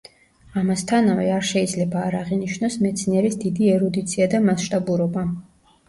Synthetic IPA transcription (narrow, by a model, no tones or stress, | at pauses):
amast̪ʰanavɛaɾʃɛid̪zlɛbaːɾaʁiniʃnɔsmɛt̪sʰniɛɾisd̪id̪iɛɾɔd̪it̪sʰiad̪amasʃt̪ʼabuɾɔba